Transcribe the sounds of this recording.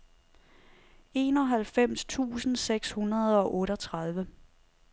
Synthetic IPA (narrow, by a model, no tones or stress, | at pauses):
e̝̰ːnɒ̽ɦælfem̰st͡sʰṵːsn̩seɡ̥shunɐð̞ˠɒ̽ʔɔ̽ːɾɒ̽t͡sʰʁɑð̞ˠʋə